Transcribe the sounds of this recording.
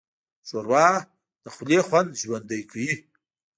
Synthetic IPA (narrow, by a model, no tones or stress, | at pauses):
ʃoɾwɑː | d̪̥əxʊlexwand̪ʒwand̪əjkʰawi